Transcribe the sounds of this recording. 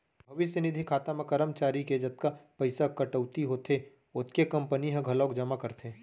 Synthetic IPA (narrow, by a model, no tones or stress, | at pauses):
bʱɐʋɪsjənɪd̪ʱikʰaːt̪amẽkɐɾəmt͡ʃaːɾiked͡ʒɐt̪̚kapɐɪsakɐʈəʋt̪iɦoːt̪ʰe | ʊt̪kekɐ̃mpəniɦɐ̃ɡʱɐlɔ̃ːkd͡ʒɐmakɐɾt̪ʰeː